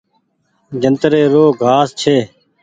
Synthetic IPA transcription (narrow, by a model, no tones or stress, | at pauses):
d͡ʒənt̪ɾeːɾoːɡʱaːst͡ʃʰeː